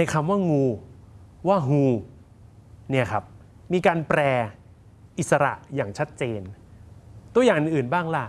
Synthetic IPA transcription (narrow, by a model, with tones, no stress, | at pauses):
na˧jkʰa˧mwaː˥˩ŋuː˧ | waː˥˩ɦuː˧ | ni˥˩ɐkʰa˦˥p̚ | miː˧kaː˧npɾɛː˧ | ʔi˨˩t̪̚sa˧ɾa̰˨˩ʔjaː˨˩ŋt͡ɕʰa˦˥t̪̚t͡ɕeː˧n | t̪u˧ɐjaː˨˩ŋʔɯ˨˩nʔɯː˨˩nbaː˥˩ŋla˧˩